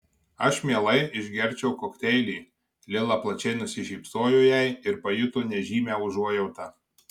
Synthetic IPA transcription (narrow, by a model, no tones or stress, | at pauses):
ɐʃmʲiɛlˠɐɪɪʒʲɡʲɛɾʲt͡ʃʲɛʊkoːkt̪ʲɛɪlʲiː | lʲɪlˠɑplˠɐt͡ʃʲɛɪnʊsʲɪʒʲɛːpsoːjʊjɛɪɪɾpɐjɪt̪ʊnʲɛʒʲiːmʲæːʊʒuɔjɛʊt̪ɑː